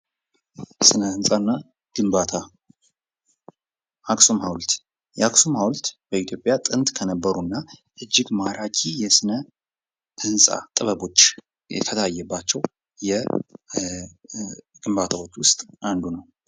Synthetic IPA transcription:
sɨnəɨnsʼanːa | ɡ̥ɨmbat̪ʰa | ʔaksomhawlt̪ | jɛaksomhawlt̪b̥əit̪ʰjo̞pʼjat̪ʼɨnt̪ʼkʰənəbːəɾunːaʔɨd͡ʒːɪɡmaɾʔakʰijɛsɨnə | hɨnsʼa̰t̪ʼɨβəβo̞t͡ʃː | ɛ̰t̪ʰət̪ʰajːɛbːat͡ʃːɛw | jɛ | ɡ̥ɨmbat̪ʰawo̞t͡ʃːwʊst̪ʼand̪unəw

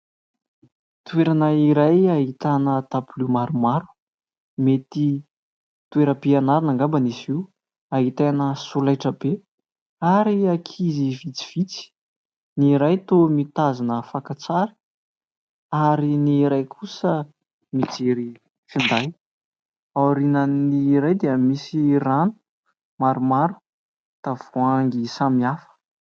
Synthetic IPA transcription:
t̪ueɾanəiɾajaɦit̪anət̪aplumaɾumaɾu̥ | met̪i | t̪ueɾəpianaɾinaŋɡambənisiw | aɦit̪enəsulajʈ͡ʂəb̥e | aɾiakʰizivit͡si̥v̥it͡si̥ | niɾajt̪omit̪azinəfakat͡saɾi̥ | aɾiniɾajkʰusə | mit͡seɾi | find̪aj | awɾinəniɾajd̪eəmisiranu̥ | maɾumaɾu̥ | t̪av̥uaŋɡisamiafə̥

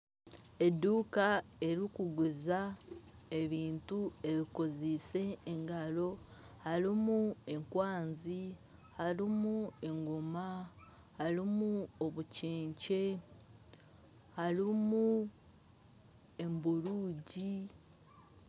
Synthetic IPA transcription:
e̞duːkae̞ɾikuɡweza | e̞βiːntue̞βiko̞zese̞ːŋɡalo̞ | haɾimue̞ŋkwaːnzi | halimue̞ŋɡoma | haɾimuoβuceːɲce̞ | haɾimu | e̞mbuɾuːɟi

